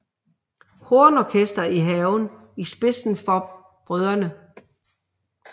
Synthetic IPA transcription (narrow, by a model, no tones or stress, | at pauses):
hoːnɒkʰesd̥ɐiɦɛʊn | isb̥e̝sn̩fɒ̽ | b̥ʁœð̞ˠɐnə